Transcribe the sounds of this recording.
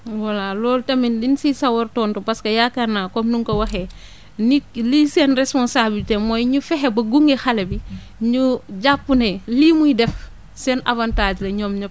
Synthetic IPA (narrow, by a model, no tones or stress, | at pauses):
walalɔːltɐmindinsisawoɾtɔːntopaskɐjakanaːkɔmnuŋkɐwɐxe | niklisenrespɔnsabilteːmojɲufɛɦebɐɡuŋɡexalebi | ɲuɟapːuneliːmujidɛf | sena̰vantaːd͡ʒlɐɲɔːmɲɐ